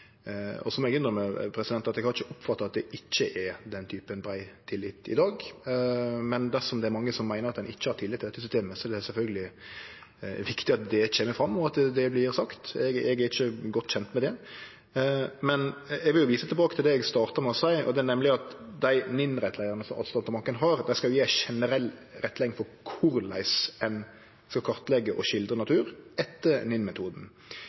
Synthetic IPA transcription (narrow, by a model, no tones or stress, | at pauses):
ɔ̰sɔmɛɡʏnd̪əmɛpʰɾɛsɪd̪ɛnt̪ɑt̪ɛɡhɑɾɪçːəʔɔpfɑt̪ːɑɑt̪d̪ɛʔɪt͡ʃːəʔɛɾd̪ɛnt̪ʰyːpənbɾæɪt̪ʰɪlːɪt̪ɪ̰d̪ɑːɡ | mɛnd̪æsɔmd̪ɛæɾmɑŋːəsɔmːæɪnəɾɑt̪d̪ɛnɪt͡ʃːəhɑɾt̪ʰɪlːɪt̪ʰːɪɛt̪ʰːɪsʏst̪eːməsɔɛdɛsɛlfœlɡəlɪ | ʋɪkt̪ɪɑt̪̚d̪ɛt͡ʃʰeːməfɾɑmːɔɑt̪d̪ɛblɪɾsɑkt̪ɛɡɛɡɛɾɪçːəɡɔt̪ːɕɛnt̪mɛd̪ɛ | mɛnɛɡʋɪljʊʋiːsət̪ʰlbɑːkət̪ʰɪld̪ɛɛɡst̪ɑːɾt̪əmɛɔsæɪɔ̰d̪ɛæɾnɛmːlɪɑt̪d̪æɪnɪnɾɛt̪ʰːlæɪəɾənəsɔmʔɑ̰st̪ɑnt̪əmɑkːənɦɑɾd̪æɪskɑljʊjɛːæʃɛnəɾɛlːɾɛt̪ːlæɪŋfɔɾkʰʊɾlæ̰ɪsɛn | skɑkʰɑɾt̪lɛɡːəʔɔʃɪld̪ɾənɑt̪ʰʉːɾɛt̪ːəɾnɪnmɛt̪ʰuːd̪n̩